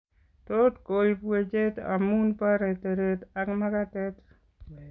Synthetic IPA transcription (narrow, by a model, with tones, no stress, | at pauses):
to˦tko˨lpwe˨t͡ʃe˦ta̰˨mu˦npa˦ɾe˨te˨ɾe˨ta˦kma˦ka˦tɛ˦t